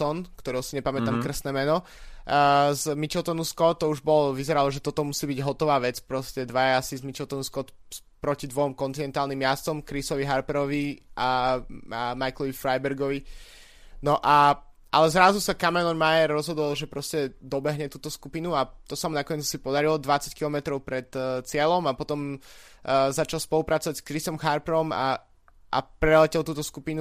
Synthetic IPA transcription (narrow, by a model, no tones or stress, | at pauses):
ɔnkt̪ɔɾɛɦʊsiɲɛpamɛt̪amkr̩snɛːmɛnɔ | zmit͡ʃɛlt̪ɔnuskɔt̪t̪ːɔuʒbɔlɔʋizɛɾalɔʒɛt̪ɔt̪ɔmusiːbiɟɦɔt̪ɔʋaːʋɛt͡spɾɔscɛd̪ʋajaasizmit͡ʃɛlˠt̪ɔnuskɔt̪ | pɾɔcid̪ʋɔmkɔnt̪inɛnt̪aːlnimjast͡sɔmkɾisɔʋiɦaɾpɛɾɔʋiʔa | majklˠɔʋifɾajbɛɾɡɔʋi | nɔʔa | ʔa̰lɛzɾazusakamɛlɔnmajɛɾːɔzɦɔd̪ɔlˠʒɛpɾɔscɛd̪ɔbɛɦɲɛt̪uːt̪ɔskupinuat̪ɔsamunakɔɲɛt͡ssipɔd̪aɾilɔd̪ʋat͡sackilɔmɛt̪ɾɔʊpɾɛt̪t͡sɪɛlɔmapɔt̪ɔm | zat͡ʃalˠspɔlupɾat͡sɔʋaɟskɾisɔmxaɾpɛɾɔma̰ | ʔa̰pɾɛlɛcɛlˠt̪uːt̪ɔskupinu